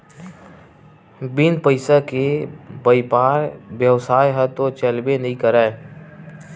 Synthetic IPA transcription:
binpəɪsakebəɪpaːɾbjəwsaːjɦət̪ot͡ʃəlbenɐɦĩkəɾae

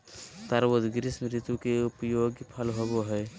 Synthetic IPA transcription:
t̪əɾwod̪ɡɾɪsmɾɪt̪ukeʊpəjoːɡpʰəlɦoboɦɛː

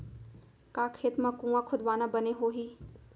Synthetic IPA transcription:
kaːkʰeːt̪mãkũːãkʰʊd̪ʋaːnabəneɦoːɦiː

